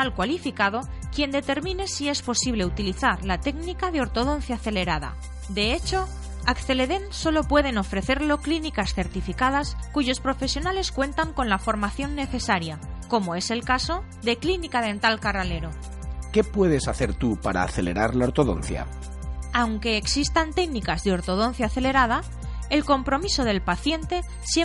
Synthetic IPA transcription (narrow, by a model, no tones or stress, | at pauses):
alkwalifikað̞o̞ | kje̞nd̪e̞t̪e̞ɾmĩne̞sie̞spo̞siβ̞le̞ut̪iliθaɾlat̪e̞knikaðeo̞ɾt̪o̞ð̞o̞n̟θjaːθe̞le̞ɾað̞a̰ | d̪e̞et͡ʃo̞ | akθe̞le̞ðe̞nso̞lo̞pwe̞ð̞e̞no̞fɾe̞θe̞ɾlo̞klinikasθe̞ɾt̪ifikað̞askuʝo̞spɾo̞fe̞sjo̞nale̞skwe̞nt̪aŋko̞nlafo̞ɾmaθjo̞nːe̞θe̞saɾjako̞mo̞e̞se̞lkaso̞ | ðe̞klinikaðe̞nt̪alkarale̞ɾo | ke̞pwe̞ð̞e̞saθe̞ɾt̪upaɾa̰ːθe̞leɾaɾlaoɾt̪oðo̞̰nθja̰ | awŋke̞ːksist̪ant̪e̞ɡnikazðeo̞ɾt̪o̞ð̞o̞n̟θjaːθe̞le̞ɾað̞a | elko̞mpɾo̞miso̞ð̞e̞lpaθje̞nt̪e̞ | sje